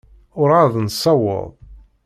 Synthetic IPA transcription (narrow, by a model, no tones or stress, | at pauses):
ʊɾaðˤnsːɑwə̰ðˤ